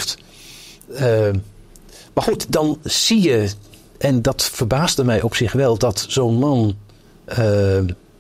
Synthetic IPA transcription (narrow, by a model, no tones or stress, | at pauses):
t | maχutdɑnz̥ijə | ʔɛndɑtfəɹbaːzdəmɛjʔɔpsɪχʋɛlˠdɑtsownmɑn | ə